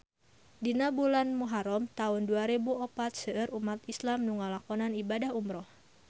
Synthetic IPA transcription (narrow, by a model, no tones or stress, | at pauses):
dinabulanmuɦaɾɔmt̪aʊnduaɾibuɔpat̪̚səʔɨɾʔumat̪islamnuŋalakɔnanibadahumɾɔh